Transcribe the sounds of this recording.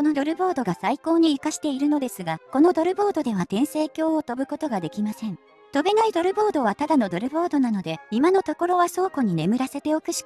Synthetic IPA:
ko̞nod̪o̞ɾɯ̟bo̞ːd̪o̞ɡasaiko̞ːɲ̟iːkaɕi̥t̪e̞iɾɯ̟no̞d̪e̞sɨɡako̞no̞d̪o̞ɾɯ̟bo̞ːd̪o̞d̪e̞βat̪ẽɰ̃se̞ːkʲo̞ːot̪o̞bɯ̟ko̞t̪o̞ɡad̪e̞kʲimasẽ̞ɴ | t̪o̞be̞naid̪o̞ɾɯ̟bo̞ːd̪o̞βat̪ad̪ano̞d̪o̞ɾɯ̟bo̞ːd̪o̞nano̞d̪e̞imano̞t̪o̞ko̞ɾo̞βaso̞ːko̞ɲ̟ine̞mɯ̟ɾase̞t̪e̞o̞kɯ̟ɕi̥

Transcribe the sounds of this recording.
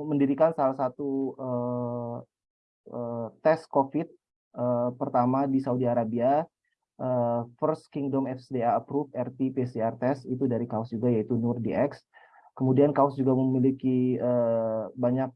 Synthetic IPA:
məndiɾikansalahsat̪uə | ət̪ɛskofɪt̪̚ | əpərt̪amadisaudiaɾabia | ʔəfərskiŋdɔmɛfsdeaəpɾufɛrt̪ipeseart̪ɛsit̪udaɾikaʊsd͡ʒuɡajait̪unurdiʔɛks | kəmudiankaʊsd͡ʒuɡaməmilikiəbaɲak̚

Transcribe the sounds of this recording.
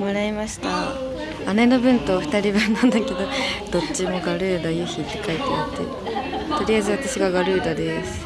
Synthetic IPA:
moɾaimaɕi̥t̪aː | neno̞bɯ̟̃nt̪oɸɯ̟̥t̪aɾʲibɯ̟̃nːãnd̪ake̞d̪o̞d̪̥o̞tt͡ɕːimo̞ɡaɾɯ̟ːd̪ajɯ̟ːçit̪ːe̞kait̪eat̪ːḛɾɯ̰ | t̪o̞ɾʲiaizɨβat̪aɕiɡaɡaɾɯ̟ːd̪ad̪esɨ̥

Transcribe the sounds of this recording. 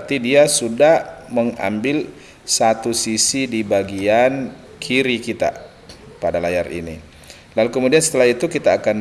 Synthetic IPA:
t̪idiasudahməŋa̰mbɪl | sat̪usisidibaɡian | kʰiɾikit̪a̰ | padalajarḭnḭ | lalukəmudiansə̥t̪əlahit̪ukit̪aːkan

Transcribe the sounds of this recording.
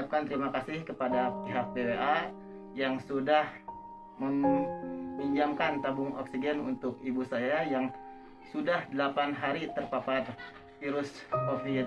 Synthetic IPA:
ap̚kant̪əɾimakasɪhkəpadapiɦak̚bebeʔa | jaŋsudah | məm | biɲd͡ʒamkant̪abʊŋɔ̰ksiɡɛnṵnt̪ʊkibusajajaŋ | sudahdəlapanɦaɾit̪ərpapat̪ | fiɾʊskofi

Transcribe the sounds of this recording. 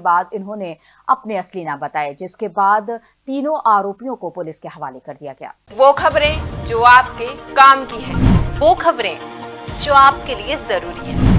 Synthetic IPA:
baːd̪ɪnɦõne | ɐpneɐslinabɐt̪aːed͡ʒɪskebaːd̪ | t̪iːnõʔaːɾoːpijõkopʊlɪskeɦɐʋaːlekɐɾd̪ijaɡɐja̰ːʋoːkʰɐbɾẽd͡ʒoːaːp̚kekaːmkiɦɛ̰̃ːʋoːxʰɐbɾḛ̃ːd͡ʒoːaːp̚keliezɐɾuːɾiɦɛ̃ː

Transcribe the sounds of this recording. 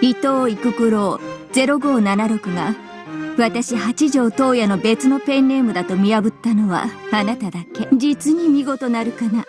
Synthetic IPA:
it̪o̞ːikɯ̟kɯ̟ɾo̞ːd͡ze̞ɾo̞ɡo̞ːnanaɾo̞kɯ̟ɡa | βat̪aɕihat͡ɕiʑo̞ːt̪o̞ːjano̞be̞t͡sɨno̞pẽ̞nːe̞mɯ̟d̪at̪o̞mʲiabɯ̟t̪ːano̞βa̰ːnat̪ad̪ake̞d͡ʑit͡sɨɲ̟imʲiɡo̞t̪o̞naɾɯ̟kana

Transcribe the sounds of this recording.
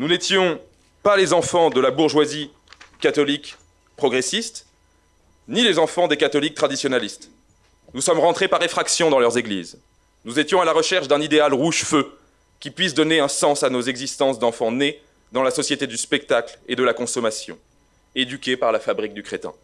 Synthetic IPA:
nunet̪jɔ̃ | palezɑ̃fɑ̃d̪əlabuʁʒwazi | kat̪ɔlik | pχɔɡʁesist̪ | nilezɑ̃fɑ̃d̪ekat̪ɔlik̚t̪χad̪isjɔnalist̪ | nusɔmʁɑ̃t̪χepaʁefχaksjɔ̃d̪ɑ̃lœʁzeɡlḭz | nuzet̪jɔ̃alaʁəʃɛʁʃd̪ɛ̃nid̪ealʁuʒfø | kʲipɥisd̪ɔneɛ̃sɑ̃sanozɛɡzist̪ɑ̃sd̪ɑ̃fɑ̃ne | d̪ɑ̃lasɔsjet̪ed̪yspɛk̚t̪akled̪əlakɔ̃sɔmasjɔ̰̃ | ed̪ykʲepaʁlafabʁik̚d̪ykχet̪ɛ̰̃

